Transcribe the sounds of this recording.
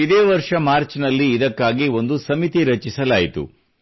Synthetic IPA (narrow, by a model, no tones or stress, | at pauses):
id̪eːʋɐɾʂɐmaːɾt͡ʃnɐlːiːd̪ɐkːaːɡio̞nd̪usɐmit̪iɾɐt͡ʃisɐlaːjit̪ṵ